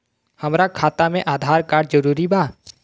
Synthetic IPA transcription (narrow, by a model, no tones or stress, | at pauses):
hɐmɾakʰaːt̪amẽʔaːd̪ʱaːɾkaːɖd͡ʒəɾuːɾibaː